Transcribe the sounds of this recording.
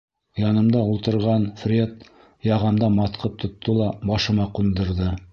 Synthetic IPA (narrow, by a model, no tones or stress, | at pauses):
jɑnɤ̆md̪ɑulˠt̪ɤ̆ɾʁɑnfrʲet̪ | jɑʁɑmd̪ɑmɑt̪qɤp̚t̪ʰŏt̪ʰːɤlˠɑbɑʃɤ̆mɑqund̪ɤ̆ɾðɤ